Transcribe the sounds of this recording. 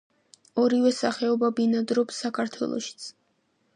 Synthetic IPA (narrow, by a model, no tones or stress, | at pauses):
ɔɾivɛsaχɛɔbabinad̪ɾɔpsːakʰaɾt̪ʰwɛ̰lˠɔ̰ʃi̥t̪sʰ